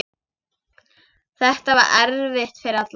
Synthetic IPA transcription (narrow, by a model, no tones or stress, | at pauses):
θɛht̪ava̰ɾʔɛɾvɪht̪fɪɾɪɾðat̪l